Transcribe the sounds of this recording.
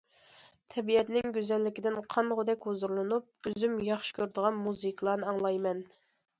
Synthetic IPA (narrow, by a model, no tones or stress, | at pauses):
t̪ʰɛbijɛt̪nɪŋɡʲyzɛlːɪkʲɪd̪ɪnqʰɑnʁʊd̪ɛkʲhozuɾlˠɨnup̚øzymjɑχʃɪ̥kʲʰøɾd̪əʁɑnmuzɨkʲlˠɑːnɨɑŋlˠɑjmɛn